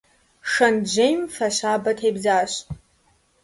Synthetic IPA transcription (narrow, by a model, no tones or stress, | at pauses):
ʂɐnd͡ʒejmfaʃaːbɐtʰejbzaːɕʼ